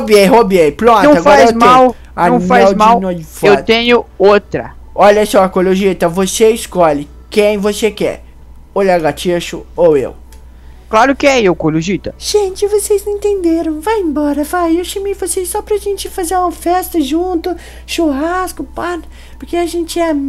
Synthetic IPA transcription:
hobieɦobiepɾõnt̪ɐ̃ɐaɡfɔaɾwm̃aw | aɐ̃fajɛzwmawnojd͡ʒfewɾt̪ẽɲʊot̪ɾɐ̰ | ɔʎɐsɔɐkoloʒit̪ɐvoseɪskɔʎɪ | kẽj̃vosekɛ̰ | oʎɐɡat͡ʃiʃʊowḛw | klaɾʊkɪɛewkoloʒit̪ɐʒ̥ẽt͡ʃɪvosejznẽnt̪ẽnd̪eɾɐ̃w̃vajẽmbɔɾɐvajewʃɐmejvosessɔpɾɐʒẽnt͡ʃɪfazeɾũmɐfɛst̪ɐʒũnt̪ʊ | ʃoɦaskʊpan | poɾkeɐʒẽnt͡ʃɪɛ

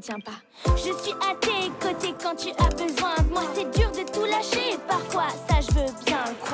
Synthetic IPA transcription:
t̪jɛ̃pa | ʒəsɥiʔat̪ekot̪ekɑ̃t̪yʔabəzwɛ̃mwasɛd̪yːʁd̪ət̪ulaʃepaʁfwasaʒəvøbjɛ̃k

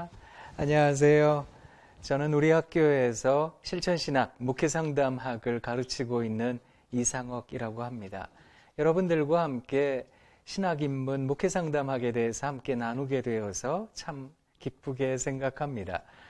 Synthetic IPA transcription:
aɲʌwas̬ʰe̞jo | t͡ɕʌnɯnuɾihak̚k͈joe̞sʰʌɕʰiɭt͡ɕʰʌnɕʰinak̚mukʰesʰaŋdamɦaɡɯɭkaɾɯt͡ɕʰiɡoinːɯn | isʰaŋʌɡiɾaɡohamɲida̰ | jʌɾʌbɯndɯɭɡwahamk͈e̞ | ɕʰinaɡinmunmukʰesʰaŋdamɦaɡe̞de̞ɦesʰʌhamk͈e̞nanuɡe̞dwe̞ʌsʰʌt͡ɕʰam | kip͈ʰuɡe̞sʰe̞ŋɡakʰamɲida̰

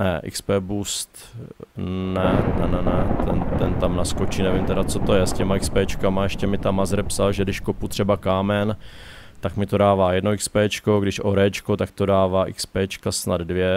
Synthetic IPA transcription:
nɛʔɪ̰kspɛːbust̪ | nɛnɛnɛnɛt̪ɛnt̪ɛnt̪amnaskot͡ʃiːnɛvɪmt̪ɛɾat͡so̞t̪o̞jɛscɛmaɪkspɛːt͡ʃkamaɛʃcɛmɪt̪amazɾɛpsalʒɛdɪʃkoput̪r̥ɛbakaːmɛn | t̪akmɪt̪o̞daːvaːjɛdnoɪkspɛːt͡ʃko̞ɡdɪʃʔo̞ɾɛːt͡ʃkot̪ak̚t̪odaːvaːʔɪkspɛːt͡ʃkasnad̪dvjɛ

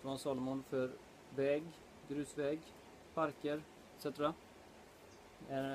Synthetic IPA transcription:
fɾɔnsɑːlmʊnfœɾ | vɛːɡ | ɡɾʉ̟ːsvɛːɡ | pʰaɾkəɾ | ɛt̪sɛt̪ɾa | ɛ

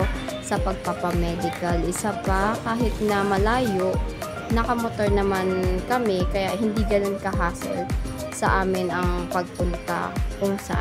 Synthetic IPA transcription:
sɐpɐɡ̚papɐmɛːd̪ɪkɐlʔɪsapɐkaːɦɪt̪nɐmɐlaːjoʔ | nɐkɐmot̪o̞ɹnɐmankɐmɛkɐjaʔhɪnd̪iːɡɐnonkɐɦaːso̰l | sɐʔaːmɪnɐŋpɐɡ̚pʊnt̪a̰kʊŋsɐ̰ʔa̰

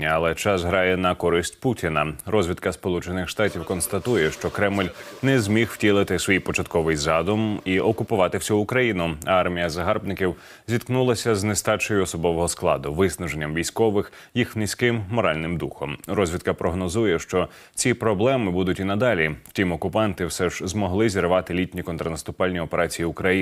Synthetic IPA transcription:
ɐɐlˠɛt͡ʃɑsɦɾɑjɛnɐkɔɾɪsʲtʲputʲinɐɾɔzʲʋʲid̪̚kɐspɔlˠut͡ʃenɪxʃt̪ɑtʲiwkɔnst̪ɐt̪ujɛʃt͡ʃɔkɾɛmlʲnɛzʲmʲixw̥tʲilˠɪt̪ɪsʋijpɔt͡ʃɐt̪̚kɔʋɪjzɑd̪ʊmiʔɔkʊpʊʋɑt̪ɪwsʲuːkɾɐjinʊɑrmʲijɐzɐɦɑrbnɪkʲiw | zʲit̪knulˠɐsʲɐznest̪ɑt͡ʃɔjʊɔsɔbɔʋɔɦɔsklˠɑ̰d̪ʊʋɪsnɐʒenʲːɐmʋʲijsʲkɔʋɪx | jixnʲisʲkɪmːɔɾɑlʲnɪmd̪uxɔmrɔzʲʋʲid̪̚kɐpɾɔɦnɔzujɛʃt͡ʃɔ | t͡sʲipɾɔblˠɛmɪbud̪ʊtʲinɐd̪ɑlʲiw̥tʲimɔkʊpɑnt̪ɪwsɛʒzmɔɦlˠɪzʲiɾʋɑt̪ɪlʲitʲnʲikɔnt̪ɾɐnɐst̪ʊpɑlʲnʲiɔpeɾʔɑt͡sʲijiʊkɾɐji

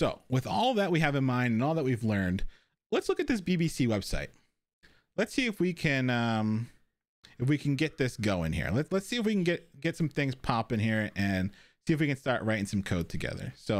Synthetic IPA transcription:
soʊwɨðɔlˠðɨt̚wiɨvɨ̃nmãɪ̃ndɨ̃nɔlˠðət̚wivlɜ̃˞nd̥ | lətslʊkɨt̪̚ðɪsb̥ibisiwɛb̥sa̰ɪt̚ | lɨtsiɨfwikʰɨ̃nʌ̃m | ɨfwikʰɨ̃n̩ɡɛt̪̚ðɪsɡ̥oʊɪ̰̃ŋhḭɹlətslətsiɨfwikɨ̃n̩ɡɛt̚ɡ̥ɛtsʌ̃mθɪ̃ŋz̥pʰɑpɨ̃ŋhiɹɨ̃n | siɨfwikɨ̃nstɑɹʔɹaɪɾɪ̃ŋsʌ̃mkʰoʊd̚tʰɨɡɛ̰ðə̰˞soʊ

